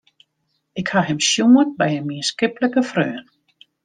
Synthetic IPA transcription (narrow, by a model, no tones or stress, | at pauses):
ɪkhaɦɪmsjuːət̚bɛjənmiənskɪpləkəfrøːn